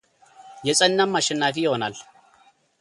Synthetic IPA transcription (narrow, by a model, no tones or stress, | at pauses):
jɛsʼɐnːamːɐʃɛnːaːfijɪhonal